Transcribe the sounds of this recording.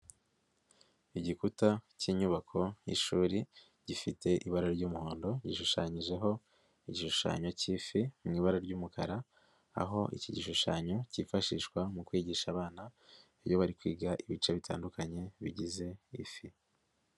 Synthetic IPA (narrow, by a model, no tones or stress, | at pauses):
iɟikutaciɲuβakʰo̞jḭʃuːɾi | ɟ̥ifite̞ʔiβaɾaɾɟuːmuho̞ːndo̞ɟiʃuʃaɲiʒe̞ɦo̞ | iɟiʃuʃa̰ːɲo̞cifimŋiːβaɾaɾɟuːmukʰaɾa | a̰ɦo̞ʔḭciɟiʃuʃaːɲo̞cifaʃiːʃkwamukwiːɟiːʃaːβaːna | βjo̞βaɾikwḭːɡaʔiβit͡ʃeβitʰa̰ːndukaɲe̞βiɟize̞ifi